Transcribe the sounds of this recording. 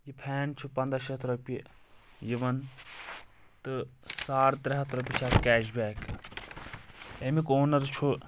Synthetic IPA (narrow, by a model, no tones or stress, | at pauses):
jipʰɛːnt͡ʃʰupɐnd̪ɾaʃɐt̪ʰɾɐpʲi | jiʋɐn | t̪ɨsaːɾt̪ɾɐɦɐt̪ʰɾɐpʲit͡ʃʰaːt̪kɛːʃbɛːk | emikoːnɐɾt͡ʃʰu